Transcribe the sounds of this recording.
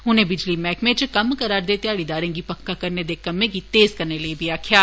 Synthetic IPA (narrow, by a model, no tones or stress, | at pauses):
ʊnẽbɪd͡ʒlimɛːkmẽt͡ʃkɐmkɐɾaːɾd̪et̪ejaːɽid̪aːɾẽɡipɐkːakɐɾned̪ekɐmːẽkit̪eːzkɐɾneliebʱiaːkʰjaː